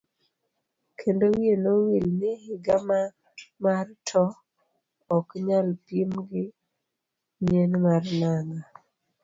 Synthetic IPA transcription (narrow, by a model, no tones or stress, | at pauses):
kʰendowienowilnɪhɪɡama | martʰɔ | ɔkɲalpimɡɪ | ɲenmarnaŋa